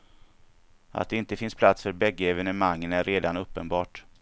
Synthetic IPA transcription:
ʔa̰t̪̚d̪ɛɪnt̪əfɪnspʰlat̪sfœɾbɛɡːəɛvɛnəmaŋːənæɾʔeːd̪anɵpːənbɑːʈ

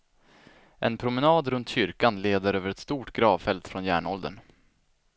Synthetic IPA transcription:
ʔɛnpʰɾʊmɛnɑːd̪ɾɵnt̪ɕʏɾkanleːd̪əɾøːvəɾɛt̪st̪uːʈɡɾɑːvfɛlt̪fɾɔnjæ̰ːɳɔld̪ə̰ɳ

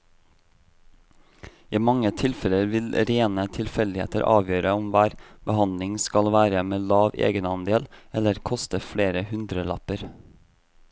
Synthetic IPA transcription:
iːmɑŋət̪ʰɪlfɛləɾʋɪlɾeːnət̪ʰɪlfɛld̪ɪhḛːt̪ə̰ɾʔɑ̰ːʋjøːɾəɔmʋæːɾb̥əhɑnd̪lɪŋskɑlʋæːɾəmeːlɑːʋḛːɡənɑnd̪eːlɛləɾkʰɔst̪əfɽeːɾəhʉnd̪ɾəlɑ̰pəɾ

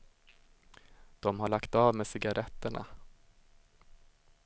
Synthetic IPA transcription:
d̪̥ɔmɦaɭakt̪ɑːvmeːsɪɡaɾʔɛt̪ːəɳa̰

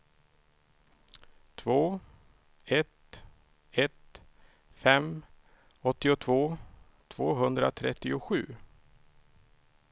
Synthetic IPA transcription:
t̪ʰvoː | ɛt̪ | ɛt̪ | fɛm | ɔt̪ːɪʊt̪ʰvoː | t̪ʰv̥oːɦɵnd̪ɾa̰t̪ʰɾɛt̪ːɪʊɧʉ̟ː

